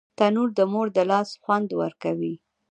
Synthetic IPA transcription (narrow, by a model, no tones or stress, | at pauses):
t̪anuɾd̪əmoɾd̪əlɑsxwand̪wə̰ɾkawi